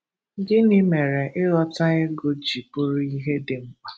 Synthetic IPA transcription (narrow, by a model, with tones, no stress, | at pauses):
ɡɪ˦nɪ˦me˨ɾe˨ʔɪ˦ɾɔ˦ta˦e˦ɡo˦d͡ʒi˨pʊ˦ɾʊ˦i˦ɦe˦dɪ˨ŋ͡m̩˦k͡pa˨